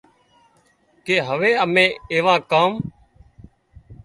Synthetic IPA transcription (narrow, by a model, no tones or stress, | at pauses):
keːɦəʋeːəmẽːeːʋãːkaːm